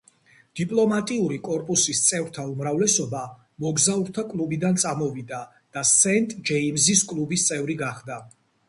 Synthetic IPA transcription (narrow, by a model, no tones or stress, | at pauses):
d̪̥ipʼlˠɔmat̪ʼiuɾikʼɔɾpʼusist̪sʼɛvɾt̪ʰaumɾavlɛsɔba | mɔɡzauɾt̪ʰakʼlˠubid̪ant̪sʼamɔvid̪a | d̪̥asɛnt̪ʼd͡ʒɛimziskʼlˠubist̪sʼɛvɾiɡaχd̪a